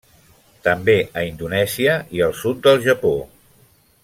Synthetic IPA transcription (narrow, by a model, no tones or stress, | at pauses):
t̪əmbeʔəind̪unɛziəiəlˠsut̪̚d̪əlˠʒəpo